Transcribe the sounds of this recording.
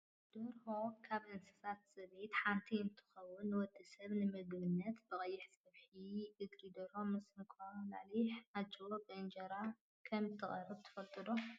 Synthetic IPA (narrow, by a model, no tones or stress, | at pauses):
d̪̥ɨɾhokʰaβʔɨnsɨ̥sat̪sɐβet̪ħant̪ʰiɨnt̪ʰɨ̥xɐwːʊnwɔd̪ʼːɨsɐβnɨmɨɡbɨnːɐt̪bɨχʼɐjːɪħsɐβħiɨɡlid̪ɐɾomɨsnɨkʰaula̰ʕliħad͡ʒɐobɨɨnd͡ʒɐɾa | kʰɐmt̪ʰːɨχʼɐɾɨbt̪ʰɨ̥fɐlt̪ʼɨd̪o